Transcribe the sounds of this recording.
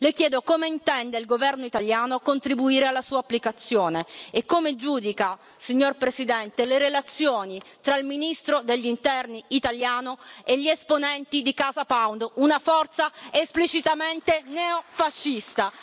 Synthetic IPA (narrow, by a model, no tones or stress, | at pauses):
lekjɛːd̪okomeint̪ɛnd̪eilɡovɛrnoit̪aljaːnoakont̪ɾibuiːɾealːasuːapːlikat̪sːjoːneekːomed͡ʒuːd̪ika | siɲːorpɾesid̪ɛnt̪eleɾelat̪sːjoːnit̪ɾailminist̪ɾod̪eʎːint̪ɛrniːt̪aljaːnoeʎːiesponɛnt̪id̪ikaːzapawnd̪unafɔrt̪saesplit͡ʃit̪ament̪enɛofaʃːist̪a